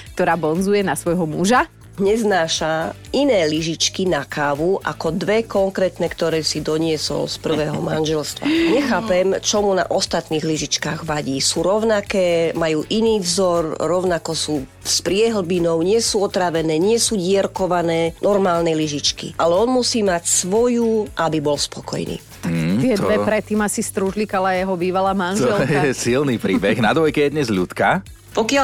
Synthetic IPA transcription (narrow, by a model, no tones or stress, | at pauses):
k̚t̪ɔɾaːbɔnzujɛnasʋɔjɦɔmuʒa | ɲɛznaːʃa | inɛːliʒit͡ʃkinakaːʋuʔa̰kɔd̪ʋɛkɔŋkɾɛːt̪nɛkt̪ɔɾɛːsid̪ɔɲɪɛsɔ̰lspr̩ʋɛːɦɔmanʒɛlst̪ʋa̰ɲɛxaːpɛmt͡ʃɔmuna̰ʔɔst̪at̪niːɣliʒit͡ʃkaːɣʋaɟiːsuːɾɔʊnakɛːmajuːʔiniːvzɔɾɾɔʊnakɔsuː | spɾɪɛɦl̩binɔʊɲɪɛsuːɔt̪ɾaʋɛnɛːɲɪɛsuːɟɪɛɾkɔʋanɛːnʔɔɾmaːlnɛliʒit͡ʃkḭʔalɛɔnmusiːmacsʋɔjuʔabibɔlspɔkɔ̰jnḭː | t̪ak̪ɪɛd̪ʋɛpɾɛt̪ːiːmasist̪ɾuʒlikalajɛɦɔbiːʋalaːmanʒɔɛljɛsilniːpɾiːbɛɣnad̪ʋɔjkɛjɛd̪ɲɛzʎṵt̪ka | pɔkɪa